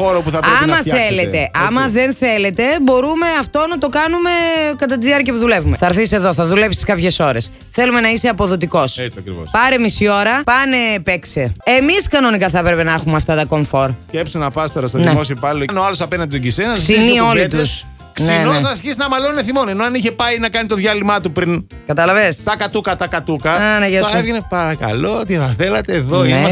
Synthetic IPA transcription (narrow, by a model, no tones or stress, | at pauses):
oɾopuθɐpɾeɐmnmɐθelet̪e̞ʔɐmɐðe̞nθe̞le̞t̪e̞bo̞ɾume̞ɐft̪o̞nɐt̪o̞kɐnume̞kɐt̪ɐt̪iðiɐɾciɐpuðule̞vume̞θɐɾθisie̞ðo̞θɐðule̞psi̥skɐpçe̞so̞ɾe̞s | θe̞lume̞nɐiseɐpo̞ðo̞t̪̬iko̞set͡sɐkɾḭvo̰spɐɾe̞misio̞ɾɐpɐne̞pekseemiskɐno̞nikɐθɐpɾe̞penɐexumeɐft̪ɐt̪ɐko̞ɱfo̞ɾcepsinɐpɐst̪oɾɐst̪oðnieosiopɐliono̞ɐlo̞sɐpenɐnd̪it̪oɟisenɐssinio̞lit̪us | kninoznɐɾçisinɐmɐlonuneθimonenoɐniçe̞pɐinɐkɐnit̪o̞ðʝɐlimɐt̪upɾin | kɐt̪ɐlɐvest̪ɐkɐt̪ukɐt̪ɐkɐt̪ukɐnɐʝesevʝenepɐɾɐkɐ̰loot̪iθɐθelɐt̪eːðoe